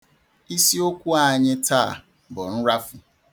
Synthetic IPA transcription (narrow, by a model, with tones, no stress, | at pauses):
i˦si˦o˦kʷu˦a˦˨ɲɪ˦ta̰˦˨ | bɔ˨n̩˦ɾa˦fʊ˨